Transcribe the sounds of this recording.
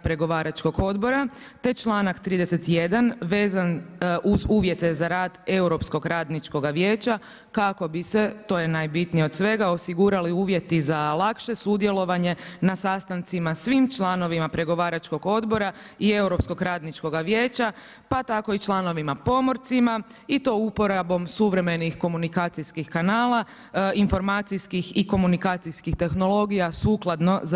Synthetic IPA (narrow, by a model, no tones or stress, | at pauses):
pɾe̞ɡo̞ʋaːɾat͡ʃko̞ɡo̞d̪bo̞ɾa | t̪e̞t͡ʃlˠaːnakt̪ɾiːd̪ese̞t̪je̞d̪anʋe̞ːzanʔuzuːʋje̞t̪e̞zaɾaːd̪e̞uɾo̞psko̞ɡɾaːd̪nit͡ʃko̞ɡaʋje̞ːt͡ɕa | kako̞bise̞t̪o̞ːje̞naːjbit̪nijeo̞d̪sʋe̞ɡao̞siɡuɾaliuːʋje̞t̪izalˠakʃe̞sud̪je̞lˠo̞ʋaɲe̞nasast̪ant̪simasʋimt͡ʃlˠano̞ʋimapɾe̞ɡo̞ʋaːɾat͡ʃko̞ɡo̞d̪bo̞ɾaie̞uɾo̞psko̞ɡɾaːd̪nit͡ʃko̞ɡaʋje̞ːt͡ɕa | pat̪ako̞it͡ʃlˠano̞ʋimapo̞mo̞ɾt̪sima | it̪o̞upo̞ɾabo̞msuʋɾe̞me̞nixko̞munikaːt̪sijskixkanaːlˠa | info̞ɾmaːt̪sijskixiko̞munikaːt̪sijskixt̪e̞xno̞lo̞ɡijasuːklˠad̪no̞z